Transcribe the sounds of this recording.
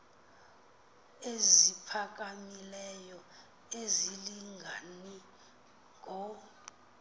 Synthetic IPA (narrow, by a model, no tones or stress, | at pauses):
ezipʰak̬ʼamilɛjɔ | eziliŋɡʱani | ɡʱɔ